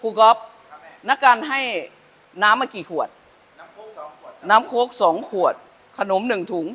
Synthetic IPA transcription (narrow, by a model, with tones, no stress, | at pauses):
kʰuː˧kɔ˦˥p̚ | na˦˥kːa˧nɦa˥˩j | naː˦˥mːaː˧˩kiː˨˩kʰu˨˩ət̪̚ | naː˦˥mkʰoː˦˥k̚sɔː˩˦ŋkʰu˨˩ət̪̚ | kʰa˧no˩˦mnɯ˨˩ŋt̪ʰuː˨˩˦ŋ